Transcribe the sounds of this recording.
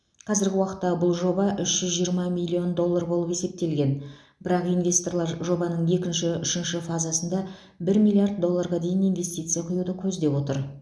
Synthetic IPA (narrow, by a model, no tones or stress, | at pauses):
qʰɑzɪɾɡʲɪwɑqət̪ːɑbʊlˠʒo̞bɑʔʏʃʒ̥ʏzʒijəɾmɑmijlʲːio̞nd̪o̞lˠːarbo̞lˠəpe̞se̞p̚t̪e̞lɡʲe̞n | bɪɾɑqijnvʲe̞st̪o̞rɾlˠɑɾʒo̞bɑnəɴje̞kʲɪnʃɪʏʃɪnʃɪfazasənd̪ɑ | bɪɾmijlʲˠijard̪̚ːo̞lˠːaɾʁɑd̪e̞jɪnijnvʲe̞st̪ijt̪sɨjaqʰʊjud̪əkʲʰɵzd̪e̞pwo̞t̪əɾ